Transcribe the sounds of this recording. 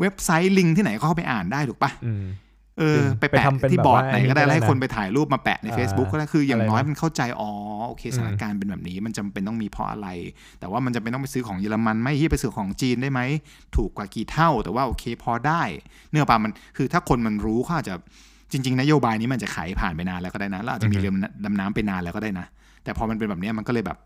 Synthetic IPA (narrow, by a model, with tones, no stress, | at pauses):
we˦˥p̚sa˦˥jli˧ŋt̪ʰiː˥˩na˨˦jkɔː˥˩kʰpa˧jʔaː˨˩ndaː˥˩j̪ʰuː˨˩˦pa˦˧˩ | ʔɤː˧pa˧jɛ̰˨iː˥˩bɔː˨˩t̪̚na˨˩˦jkɔː˥˩da˥˩jlɛ˥˩ha˥˩jkʰo˧np̬a˧jt̪ʰaː˨˩˦jluː˥˩p̚maː˧pɛ̰˨˩ʔna˧jfeː˦˥sbu˦˥kkːɔː˥da˥˩kʰɯː˧jaː˨˩ŋnɔː˦˥jma˧nkʰa˥˩wt͡ɕa˧jʔɔː˧˩ʔoː˧kʰeː˧sa˧˩˦na˧˥˩kːaː˧npe˧nbɛː˨˩p̚niː˦˥ma˧nt͡ɕa˧mpe˧nt̪ɔ˥˩ŋmiː˧pʰɔ̰˦˥ʔa̰˧ɾa˧j | t̪ɛː˨˩waː˥˩m˧nt͡ɕa˧mpe˧nt̪ɔ˥˩pa˧sɯː˦˥kʰɔː˩˦ŋjɤː˧la˧ma˧nma˦˥˩jhiː˥˩pa˧jsɯː˩˦kʰɔː˩˦ŋt͡ɕiː˧nda˥˩jma˦˥j | t̪ʰuː˨˩kwaː˨˩kiː˨˩t̪ʰa˥˩wt̪ɛː˨˩waː˥˩ʔoː˧kʰeː˧pʰɔː˧daː˥˩j | nɯ˥˩əpaː˧ma˧nkʰɯː˧t̪ʰaː˥˩kʰo˧nma˧nɾuː˦˥kʰɔː˥˩ʔaː˨˩t̚t͡ɕa˨˩ | t͡ɕi˧ŋt͡ɕi˧ŋna˦˥joː˧baː˧jni˧˦˥mː˧˨˩t͡ɕa˨˩kʰa̰ː˨˩˦jpʰaː˨˩npa˧jnaː˧nla˧wkɔ˥˩aː˥˩na˦˥lɛ˦˥waː˨˩t̚t͡ɕa˨˩miː˧lɯ˧mla˧mnaː˦˥mpa˧jnaː˧nla˧wkɔ˥˩daː˥˩jna˦˥ | t̪ɛː˨˩pʰɔː˧ma˧np̬e˧nbɛː˨˩pni˦˥ɐma˧nkɔ˥lɤː˧jbɛ̰˨˩p̚